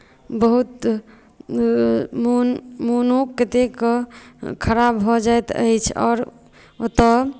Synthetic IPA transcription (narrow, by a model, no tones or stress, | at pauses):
bəɦut̪ | momonokːət̪ekɔkʰəɾabɦɔd͡ʒajt̪ə̰jt͡ʃʰɔ̰ːɾ | ot̪ɔ